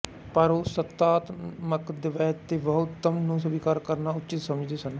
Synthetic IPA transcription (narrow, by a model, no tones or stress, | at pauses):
pəɾoːsət̪ːaːt̪məkd̪ɪʋɛːt̪ːeːʋəɦʊt̪ːəmnũːsʊbiːkaːɾkəɾnaːʊt͡ʃɪt̪səməd͡ʒd̪eːsən